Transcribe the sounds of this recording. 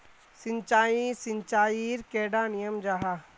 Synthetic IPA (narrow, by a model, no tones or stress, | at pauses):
sɪ̃ɲt͡ʃaːisɪɲt͡ʃaːiɾkeːɖaːnijəmd͡ʒaɦa